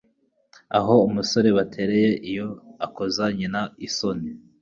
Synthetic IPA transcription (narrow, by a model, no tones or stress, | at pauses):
a̰ɦo̞umuso̞ɾe̞βatʰe̞ɾe̞je̞ʔijo̞akozaɲinaisoni